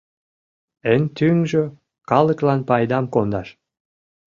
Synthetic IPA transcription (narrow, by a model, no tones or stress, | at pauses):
ənt̪yŋʒø | kɑləklɑnpɑjd̪ɑmkond̪ɑʃ